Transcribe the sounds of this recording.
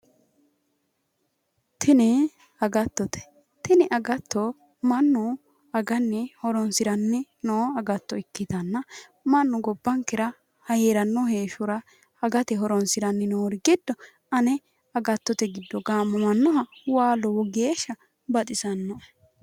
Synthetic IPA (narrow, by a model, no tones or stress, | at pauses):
t̪ʰɪnɛ | ɐɡɐt̪ːɔt̪ɛ̥ | t̪ɪnɛʔɐɡɐt̪ːɔ | mɐnːʊ | ɐɡɐnːɛhɔɾɔnsɪɾɐnːɛ | noːɐɡɐt̪ːɔɪkːɪt̪ɐnːɐ | mɐnːʊɡɔbːɐŋkɪɾɐ | hɐjeːɾɐnːɔheːʃʊɾɐ | ɐɡɐt̪ɛɦɔɾɔnsɪɾɐnːɛnoːɾɪɡɪd̪̥ːɔ | ɐnɛ | ɐɡɐt̪ːɔt̪ɛɡɪd̪ːɔɡaːmːɐmɐnːɔɦɐwaːlɔwɔɡeːʃɐ | bɐt̪ʼɪsɐnːɔ